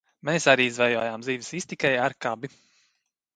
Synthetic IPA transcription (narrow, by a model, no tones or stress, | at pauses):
mesaɾiːizvɛjɔjaːmziːvisist̪ikɛjaɾkabi